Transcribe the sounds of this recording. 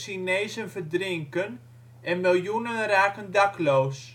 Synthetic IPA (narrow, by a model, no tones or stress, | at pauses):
sineːzənvərdrɪŋkən | ɛnmɪlˠjunənraːkəndakloːs